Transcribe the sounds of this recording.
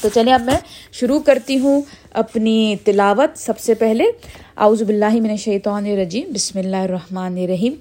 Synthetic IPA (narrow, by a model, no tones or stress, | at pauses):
t̪ot͡ʃɐlẽɐbmɛ̃ʃʊɾukɐɾt̪iɦũ | ɐpnit̪ɪlaːʋət̪sɐbsepɛɦle | a̰ːuːzubɪlːaːɦimɪnɐʃɐjt̪aːneɾɐd͡ʒiːmbɪsmɪlːaːɦɪɾːɐɦmaːneɾːɐɦiːm